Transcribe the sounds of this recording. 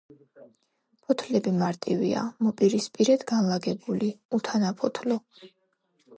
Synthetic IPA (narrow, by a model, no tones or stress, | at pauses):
pʰɔt̪ʰlɛbimaɾt̪ʼivḭa̰mɔpʼiɾispʼiɾɛd̪̥ɡanlaɡɛbuliut̪ʰanapʰɔt̪ʰlɔ